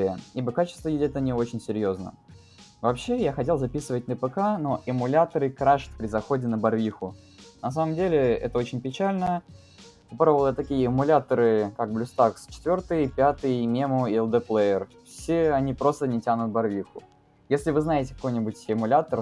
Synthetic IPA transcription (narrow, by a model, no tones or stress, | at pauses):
jəibəkat͡ɕɪ̥st̪vəjʲɪdʲɛt̪ənʲɪo̞t͡ɕɪnʲsʲɪɾʲjoznə̰ | vɐpɕːe̞jaxɐtʲelˠzɐpʲisɨvətʲnəpəkano̞ʔɪmʊlʲat̪əɾɨkɾaʂə̥t̪ʲpɾʲɪzɐxo̞dʲɪnəbɐrvʲixʊ | nɐs̬aməmdʲelʲɪɛ̰t̪əo̞t͡ɕɪnʲpʲɪt͡ɕalʲnə | pɨpɾavəlˠəət̪ɐkʲijəɪmʊlʲat̪əɾɨkak̚blʲʊst̪akst͡ɕɪ̥t̪vʲo̞rt̪ɨjpʲat̪ɨjmʲemʊɪɛlˠd̪ɛplˠejərfsʲeɐnʲipɾo̞st̪ənʲɪtʲanʊt̪̚bɐrvʲixʊ | jesʲlʲɪvɨznajɪtʲɪ̥kɐ̥ko̞jnʲɪbʊtʲɪmʊlʲat̪ər